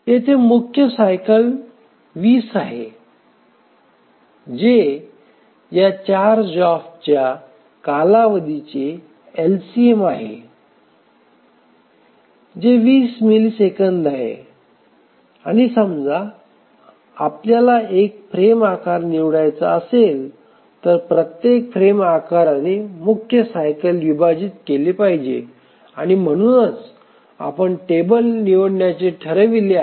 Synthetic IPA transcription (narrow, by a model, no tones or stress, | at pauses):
ɦet̪ʰemukʰjəsajkəl | ʋiːsaɦe | d͡ʑe | jat͡ɕaɾd͡ʑɔft͡ɕja | kalaʋəd̪it͡ɕe | elsiemaɦḛ | d͡ʑeʋiːsmilisekənd̪aɦḛ | aɽ̃isəmd͡za | apljalaek̚fɾemakaɾniʋɳajt͡saəsel | t̪əɾpɾət̪jekfɾemakaɾanemukʰjəsajkəlʋibad͡ʑiːt̪keliːpaɦid͡ʑḛ | aɽ̃im̤əɽ̃uːnət͡s | a̰pəɳʈebəlniʋoɽɳjat͡ɕeʈʰəɾəʋile